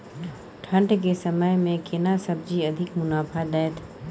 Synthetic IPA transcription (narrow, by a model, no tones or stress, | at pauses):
ʈʰə̃ɳʈk̬esɐməjmẽkɪnasɐb̚d͡ʒiɐd̪ʱɪkmʊnaːpʰad̪ɛːt̪ʰ